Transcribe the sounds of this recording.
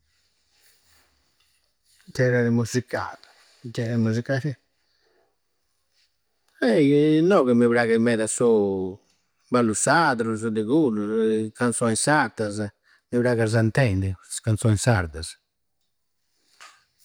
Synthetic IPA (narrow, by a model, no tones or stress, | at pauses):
d͡ʒɛɾaðimuzika̰l | d͡ʒɛɾaimuzikaɾɛ | ɛinɔɣɛmiβɾaɣɛmɛðasɔ | balusaðɾuzd̪eɣulukansɔjsaɾt̪az | miβɾaɣaɾzant̪ɛnd̪ɛsḁskansɔjsaɾt̪az